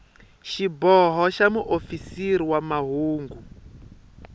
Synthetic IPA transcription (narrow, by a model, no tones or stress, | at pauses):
ʃibɔɦɔʃamuʔofisiɾiwamaɦuːŋɡu